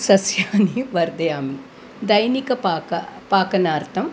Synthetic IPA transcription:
sɐsjaːniʋɐɾd̪ɐjaːmi | d̪ɐjnikɐpaːkɐpaːkɐnaːɾt̪ɐm

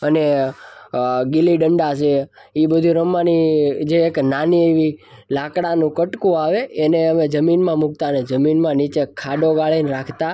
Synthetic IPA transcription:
əne | ɡiliɖəɳɖat͡ʃʰe | ibəd̪ʱũɾəmːanid͡ʒeːknanieʋi | lakɽanũkəʈkũaʋeːneəmed͡ʒəminmãmuk̚t̪aəned͡ʒəminmãnit͡ʃekʰːaɖ̪oɡaɭinɾakʰt̪a

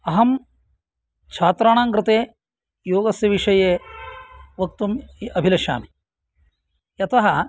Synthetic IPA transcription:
ɐɦɐm | t͡ʃʰaːt̪ɾaːɳaːŋkɾɨt̪eː | joːɡɐsjɐʋiʂɐjeː | ʋɐk̚t̪umɐbʱilɐʃa̰ːmi | jɐt̪ɐɦɐ

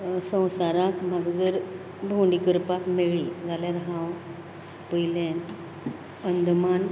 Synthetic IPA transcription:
sə̃w̃saɾãkm̤aɡd͡zəɾ | bʱõɳɖikəɾpakmeɭid͡zʱaljaɾɦãw | pəjlen | ənd̪ʱman

